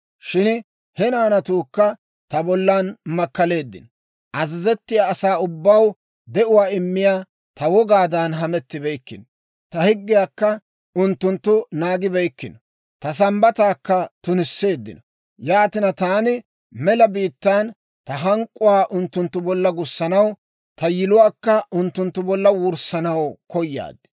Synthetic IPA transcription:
ʃɪn | hɛnaːnɐt̪uːkːɐ | t̪ɐbɔlːaːnmɐkːɐle̞ːd̪ːɪ̰nɔ | ʔɐzɪzɛt̪ːɪjaːsaːʊbːɐw | d̪ɛʔʊwaːɪmːɪjaː | t̪ɐwɔɡaːd̪anɦɐmɛt̪ːɪbɛjkːɪnɔ | t̪ɐhɪɡːɪjaːkːɐ | ʊnt̪ːʊnt̪ːʊnaːɡɪbɛjkːɪnɔ | t̪ɐs̬ɐmbɐt̪aːkːɐt̪ʊnɪsːe̞ːd̪ːɪ̰nɔ | jaːt̪ɪnɐt̪aːnɪ | mɛlɐbiːt̪ːaːn | t̪ɐɦɐŋkʼːʊwaːʔʊnt̪ːʊnt̪ːʊbɔlːɐɡʊsːɐnɐw | t̪ɐjɪlʊwaːkːɐʊnt̪ːʊnt̪ːʊbɔlːɐwʊɾsɐnɐwkɔjːa̰ːd̪ːɛ̥

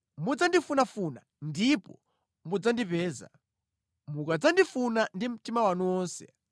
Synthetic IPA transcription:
mud͡zandifunafuna | ndipɔ̰ | mud͡zandipɛːza̰ | mukad͡zandifunandim̩timawanuwɔːnsɛ̰

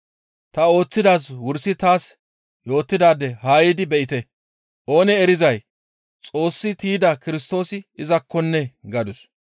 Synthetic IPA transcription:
t̪ɐo̞ːt͡sːɪd̪aːs̬wʊɾsɪt̪aːs | jo̞ːt̪ːɪd̪aːd̪ːɛhaːjɪd̪ɪbɛʔɪt̪ɛ | ʔo̞ːnɛɛɾɪzɐj | t͡sʼo̞ːsːɪt̪iːd̪ɐkɪɾɪst̪o̞ːsɪɪzɐkːɔnːɛɡɐd̪ʊs

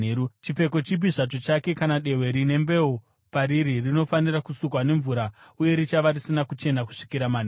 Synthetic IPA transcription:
eut͡ʃife̞ko̞t͡ʃibiʐat̬o̞t͡ʃake̞kanaɗe̞ɦwe̞ɾine̞mbe̞o | paɾiɾirino̞fanirakusukwane̞ɱvuɾauje̞ɾit͡ʃaʋarisinakut͡ʃe̞naku̥ʂi̥kiɾamane

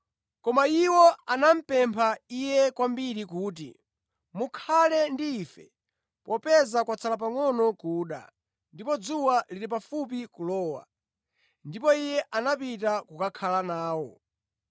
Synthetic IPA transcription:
kɔmaiwɔanam̩pɛmpʰaijɛkwambiɾikuːt̬ḭ | mukʰalɛndiːfɛ̰ | pɔpɛzakwat͡sʰalap̬aŋɔnɔkuːɗa̰ | ndipɔd͡zuwaliɾipafup̬ikulɔːwa̰ | ndipɔijɛʔanapitakukakʰalanaːwɔ

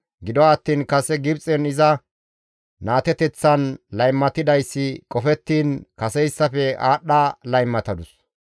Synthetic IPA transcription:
ɡɪd̪ɔːt̪ːiːnkɐsɛɡɪbt͡sʼɛnɪzɐ | naːt̪ɛt̪ɛt͡sːɐnlɐjmːɐt̪ɪd̪ɐjsːɪkʼɔfɛt̪ːiːnkɐsɛjsːɐfɛaːɗalɐjmːɐt̪ɐd̪ʊs

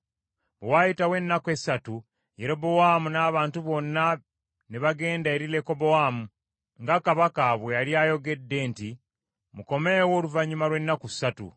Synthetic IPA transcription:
βewajitawe̞nːake̞sːatu | jeɾo̞bo̞wamunaːβaːntuβo̞nːa | neβaɡe̞ːndaeɾile̞ko̞bo̞waːmu | ŋɡakaβakaβwejaljaːjo̞ɡe̞dːe̞nti | muko̞me̞wo̞ːluvaɲːumalwe̞nːakusatṵ

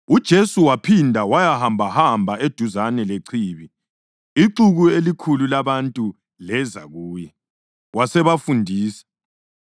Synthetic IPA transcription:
ud̥ʒ̥ʱesuwapʰindʱawajahambʱahambʱaed̥ʱuzanɛleǀʰiːβi | iǀuɣuelikʰululaβantʼu | lɛza̰ɣuːjɛ | wasɛβafundʱiːsɛ̥

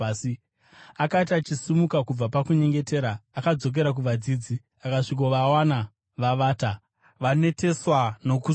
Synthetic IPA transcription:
akatat͡ʃisimukakub͡vapakuɲe̞ŋɡe̞te̞ːɾaːkad͡zo̞k̬e̞ɾak̬uʋad͡ziːd͡zi | akaʂik̬oʋawana | ʋaʋaːta | ʋane̞te̞swano̞ku

